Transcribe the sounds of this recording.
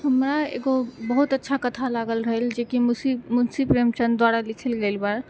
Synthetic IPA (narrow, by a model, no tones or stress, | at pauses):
ɦəmɾaḛɡobəɦut̪ətːʃʰakət̪ʰalaɡəlɾəɦəld͡ʒekimsimunsipɾemt͡ʃənd̪waɾalikʰəlɡelbaɾ